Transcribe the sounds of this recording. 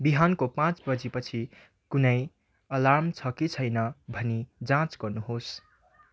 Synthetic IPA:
biɦankopãt͡sbʌd͡zipʌt͡sʰi | kunʌj | ʌlamt͡sʰʌkit͡sʰʌjnʌbʱʌnid͡zãt͡skʌɾnuɦos

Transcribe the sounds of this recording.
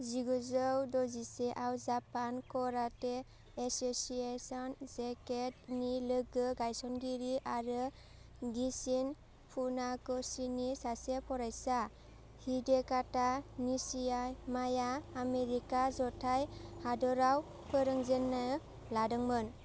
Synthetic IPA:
ziɡuzɯwdɔziseʔawzapankɔɾateː | sosiesɔnzeket̚nilɯɡɯɡajsɔnɡiɾiʔaɾɯ | ɡisin | pʰunakɔsinisasepʰɔɾajsa | hidekatanisiamajaːmeɾikazɔtʰajhadɔɾaw | pʰɯɾɯŋzenːa | ladɯŋmɯn

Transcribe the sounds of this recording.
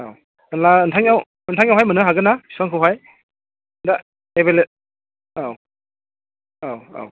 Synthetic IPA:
aw | ɯnlaɯntʰaŋjaw | ɯntʰaŋjawɦajmɯnɯɦaɡɯnasaŋkʰɯwɦaj | da | ebele | aw | awa̰w

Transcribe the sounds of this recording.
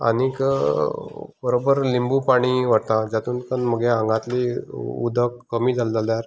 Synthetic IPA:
a̰nik | bəɾobəɾlimbupaɽ̃iʋəɽt̪ãd͡ʑat̪uːnkənməɡeãŋɡãt̪liṵd̪ʱəkːəmiːd͡zald͡zaljaɾ

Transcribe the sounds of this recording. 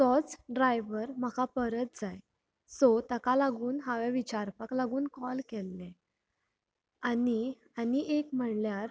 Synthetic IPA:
sɔt͡sɖɾajʋəɾmakapəɾət̪̚d͡zaj | sot̪akalaɡuːnɦaʋẽʋit͡ɕaɾpaklaɡuːnkɔlkelːɛ̃ | ani | aniʔekm̤əɽljaɾ

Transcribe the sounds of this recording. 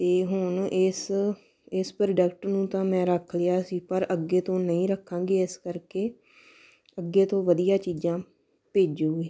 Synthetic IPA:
t̪eːɦʊɳɪs | ɪspɾəɖəkʈnũːt̪ãːmɛ̃ːɾəkʰlɪjaːsiːpəɾəɡːeːt̪õːnəĩːɾəkʰːãːŋɡeːɪskəɾkeː | əɡːeːt̪õːʋəd̪ijãːt͡ʃiːd͡ʒãː | peːd͡ʒoːeː

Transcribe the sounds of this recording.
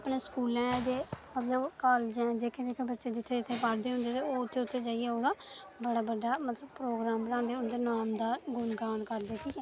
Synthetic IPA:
əpneːskuːlɛ̃ːd̪eːmət̪ləbkaːld͡ʒɛ̃ːd͡ʒeːked̪eːkẽbətːʃeːd͡ʒɪt̪ʰːeːɪt̪ʰːeːpəɽd̪eːɦʊ̃nd̪eːt̪eːoːʊt̪ʰːeːʊt̪ʰːeːd͡ʒaːiɛːoːd̪aːbəɽaːbəɖːaːmət̪ləbpɾoːɡɾãːmbənãːnd̪eːʊnd̪eːnaːmd̪aːɡʊnɡaːnkəɾd̪eːʈʰiːkɛː

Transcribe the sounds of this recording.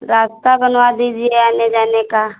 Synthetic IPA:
ɾaːst̪abɐnʋad̪id͡ʒieaːned͡ʒaːneka

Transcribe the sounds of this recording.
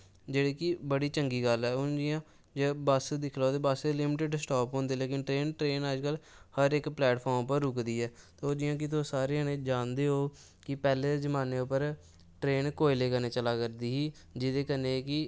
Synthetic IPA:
d͡ʒeːɽeːkɪbəɽiːt͡ʃəŋɡiːɡəlɛːʊnd͡ʒɪjãː | d͡ʒebasd̪ɪkʰlaːt̪eːbaslɪmɪʈɪɖsʈɔːpɦõːnd̪eːleːkɪnʈɾeːnʈɾeːnəd͡ʒkəlhəɾɪkplɛːʈpʰɔːɾmpəɾːʊkd̪iːɛːt̪ːoːd͡ʒɪjãːk̬ɪt̪oːsaːɾeːnẽːd͡ʒãːnd̪eːɦoː | kɪpɛːleːzəmaːneːʊpːəɾ | ʈɾeːnkoːɪleːkəneːt͡ʃəlaːkəɾd̪iːɦiː | d͡ʒɪd̪eːkəneːkɪ

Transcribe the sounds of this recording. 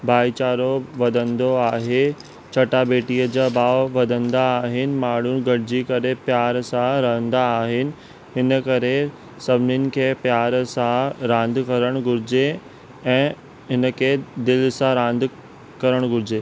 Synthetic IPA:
bʱaːit͡ɕaːɾoʋɐd̪ʱə̃nd̪oaːɦe | t͡ɕʰɐʈabeːʈiːəd͡ʑabaːʋʋɐd̪ʱə̃nd̪aːɦɪnɪ̆maːɽ̤ʊnɪ̆ɡɐɽ̤ɪd͡ʑikɐɾepjaːɾsãɾɐɦə̃nd̪aːɦɪnɪ̆ | ɦɪnəkɐɾe | sɐbʱɪnɪnɪ̆kʰeːpjaːɾsãɾãːnd̪ʱkɐɾəɽ̃ɡʊɾɪd͡ʑe | ɛ̃ː | ɦɪnəkʰed̪ɪlsãɾãːnd̪ʱ | kɐɾəɽ̃ɡʊɾɪd͡ʑeː

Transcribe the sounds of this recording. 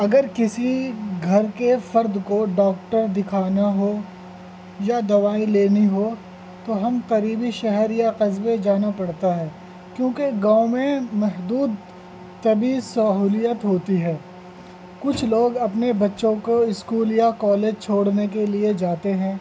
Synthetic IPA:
ɐɡəɾkɪsiɡʱɐɾkefɐɾd̪koɖɔːk̚ʈəɾd̪ɪkʰaːnaɦoː | jad̪ɐʋaːileːniɦo | t̪oɦɐmkɐɾiːbiʃɛɦɛɾjaqɐzbed͡ʒaːnapɐɽt̪aɦɛː | kjõːkeɡãːõmẽmɛɦd̪uːd̪ | t̪ɐbisɐɦuːlijət̪ɦoːt̪iɦɛː | kʊt͡ʃʰloːɡɐpnebɐtːʃõkoɪskuːljakɔːleːd͡ʒt͡ʃʰoːɽnek̬elied͡ʒaːt̪eɦɛ̃ː

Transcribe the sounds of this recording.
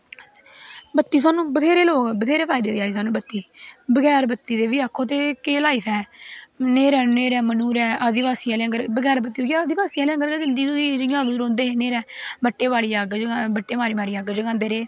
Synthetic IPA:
bət̪ːiːs̬aːnũːbət̪ʰeːɾeːloːɡbət̪ʰeːɾeːpʰaːjd̪eːd̪eːaːiːs̬aːnũːbət̪ːiːbəɡɛːɾbət̪ːiːd̪eːʋiːakʰːoːt̪̬eːkeːlaːipʰɛːneːɾɛːneːɾɛːmənuːɾɛːʔəd̪ɪʋaːsiːaːleːŋɡəɾbəɡɛːɾbət̪ːiːoːɡəd̪ɪʋaːsiːaːleːəŋɡəɾkeːzɪnd̪iːd̪oːid͡ʒəjãːd̪uːɾõːnd̪eːɦeːneːɾɛː | bəʈːeːbaːɽiːaːɡd͡ʒabəʈːeːmaːɾiːmaːɾiːaːɡəd͡ʒɡãːnd̪eːɾeː

